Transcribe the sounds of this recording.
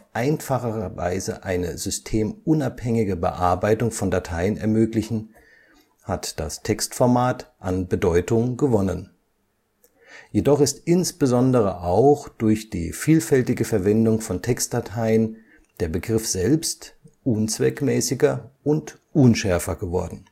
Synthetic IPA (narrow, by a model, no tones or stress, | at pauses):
ʔaɪnfaχəʁɐva̰ɪzə̰ʔaɪnə̰zʏstʰeːmʊnaphɛŋɪɡəbə̰ʔaɐbaɪtʊŋfɔndatʰaɪənɛɐmøːklɪçn̩ | hatd̥a̰stʰɛkstfɔɐmaːtʔanbədɔʏtʊŋɡəvɔnən | jedɔχɪstʔɪnsb̥əzɔndəʁ̞əʔaʊxd̥ʊɐçd̥ḭːfiːlfɛltɪɡəfɛɐvɛndʊŋfɔntʰɛkstd̥atʰaɪən | d̥eːɐbəɡʁɪfz̥ɛlpstʔʊnt͡sv̥ɛkmɛːsɪɡɐʔʊnt | ʔʊnʃɛɐfɐɡəvɔɐdn̩